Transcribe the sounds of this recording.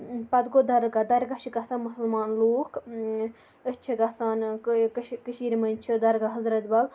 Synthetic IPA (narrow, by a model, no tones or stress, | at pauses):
pɐd̪ɡod̪ɐɾɡad̪ɐɾɡɐʃʰikɐsanmusɐlmaːnloːk | ət͡ʃʰikɐsaːnkkəʃiːɾmɐnt͡ʃʰid̪ɐɾɡaɦɐzɾɐt̪bɐl